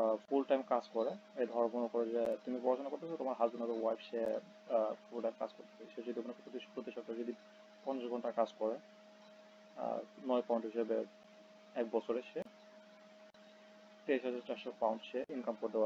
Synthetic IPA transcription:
fulʈajmkad͡ʑkɔɾeed̪ʱɔɾmonokɔɾed͡ʑet̪umipɔɾaʃonakoɾt̪esʰot̪omaɾɦad̪unaɾowajbʃee | fulʈajmka̰d͡ʑkoɾt̪e̥peit͡ɕʰed͡ʑod̪iomanepot̪ipɾot̪iʃɔk̚t̪aɾd͡ʑod̪i | pɔneʃɔɡʱɔɳʈakad͡ʑkɔɾe | nɔjpawnʈɦiʃɛbe | ɛk̚bɔt͡ɕʰoɾeʃʰe | t̪eiʃɦad͡ʑaɾt͡ɕaɾʃɔpawnɳʈʃeeʔinkamkoɾd̪ea

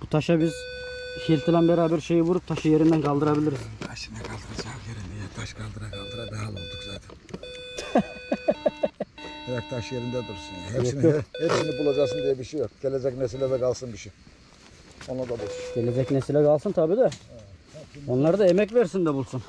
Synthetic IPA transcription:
but̪ʰaʃabizʃilʲt̪ʰilʲænbeɾaːbæɾʃe̞jibuɾup̚t̪ʰaʃɯjeɾind̪ænkʰalˠd̪ɯɾabilʲiɾizt̪ʰaʃɯnɛkʰalˠsɯnsajeɾind̪ɛjt̪ʰaʃkʰalˠd̪ɯɾakʰalˠd̪ɯɾabɛalˠɯ̰nd̪uklˠaɾd̪ɯ | heɾak̚t̪ʰaʃɯjeɾind̪ɛbulˠsunhɛjoijohɛpsinibulˠad͡ʒaksɯnd̪ijɛbiʃijok̚ɟ̥elʲed͡ʒɛcnesilʲɛd̪ɛkalˠsɯnbiʃi | onlˠad̪abulˠsunɟ̥elʲed͡ʒɛcnɛsilʲɛkʰalˠsɯnt̪ʰabiːd̪a | o̞nlˠaɾd̪aemɛc̬vɛɾsind̪ɛbulˠsun

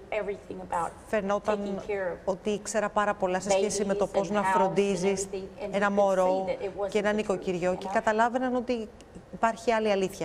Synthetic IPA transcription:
ɛvɹiθɪ̃ŋəbaʊtfe̞no̞t̪ɐno̞t̪ikse̞ɾɐpɐɾɐpo̞lɐse̞sçe̞sime̞t̪o̞po̞znɐfɾo̞nd̪izisŋenɐmo̞ɾowceenɐniko̞ciɾʝo̞ce̞kɐt̪ɐlɐve̞nɐno̞t̪i | ipɐɾçiɐliɐliθçɐ

